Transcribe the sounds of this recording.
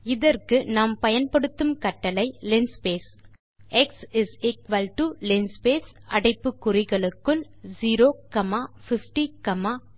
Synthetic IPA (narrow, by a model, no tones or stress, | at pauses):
ɪðɐrkɯnaːmpɐjɐnpɐɽɯt̪ːɯmkɐʈːɐlɐɪlɪnspeːs | ɛksɪsɪkʋɐlʈulɪnspeːsɐɽɐɪpːɯkːʊrɪɣɐɭɯkːɯl | ziːɾoːkɐmaːfɪfʈikɐmaː